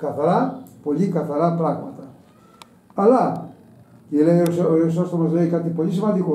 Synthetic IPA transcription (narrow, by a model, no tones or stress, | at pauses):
kɐθɐɾɐpo̞ʎikɐθɐɾɐpɾɐɣmɐt̪ɐ | ɐlɐ | ilejosos̬ɐst̪omɐzleikat̪ipo̞lisimɐnd̪iko